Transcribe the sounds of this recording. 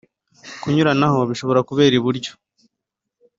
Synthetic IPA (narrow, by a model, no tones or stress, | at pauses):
kuɲuɾanaho̞βiʃo̞βo̞ɾakuβe̞ːɾiβuɾɟo̥